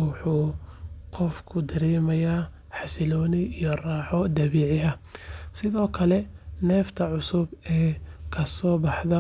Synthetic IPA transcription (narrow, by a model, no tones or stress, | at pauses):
wʊħuːqɔfkʰʊd̪ɐɾɛːmɐjaː | ħɑsɪlɔːnɪijɔraːħɔd̪ɐβiːʕɪɦɐsɪðɔːkʰɐlɛnɛːft̪ʰɐʕʊsʊbɛːkʰɐsɔːbɑħðɐ